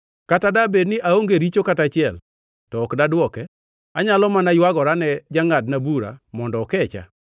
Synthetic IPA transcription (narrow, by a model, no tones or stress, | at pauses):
katadabednɪʔaoŋɡeɾit͡ʃokatat͡ʃɪɛl | tɔːkdadwɔkɛ | aɲalɔmanajwaɡɔɾanɛd͡ʒaŋadnabuɾa̰mɔndɔːkɛt͡ʃa̰